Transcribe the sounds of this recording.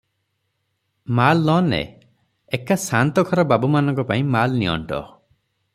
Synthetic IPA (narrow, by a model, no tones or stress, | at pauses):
malːɔnḛ | ekasant̪ɔkʰɔɾɔbabumanɔŋkɔpaĩmalniɔ̰ɳʈɔ̰